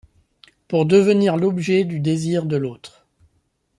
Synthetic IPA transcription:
puʁd̪əvəniʁlɔbʒɛd̪yd̪eziʁd̪əloːt̪χ

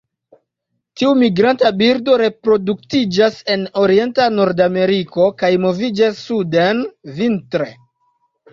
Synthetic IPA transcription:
tiumiɡɾantabiɾdo̞ɾe̞pɾo̞duk̚tid͡ʒase̞no̞ɾie̞ntanoɾdame̞ɾiko̞kajmo̞vid͡ʒasːudenvintɾe̞

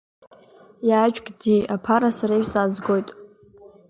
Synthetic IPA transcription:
jaːt͡ʃᶣʼkʼdiapʰaɾasaɾasad͡zɡo̞jtʼ

